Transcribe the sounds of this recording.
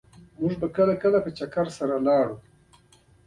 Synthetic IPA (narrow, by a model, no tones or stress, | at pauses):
mʊʐbakəlakəlapət͡ʃakaɾsaɾalɑɽu